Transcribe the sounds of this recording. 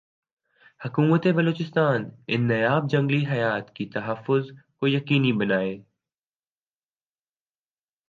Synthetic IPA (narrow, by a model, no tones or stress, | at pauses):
hɐkuːmət̪ebɐloːt͡ʃɪst̪aːnɪ̰nːɐjaːb̚d͡ʒɐ̃ŋɡliɦɐjaːt̪kit̪ɐɦəfːʊzkojɐkiːnibɐnaːeː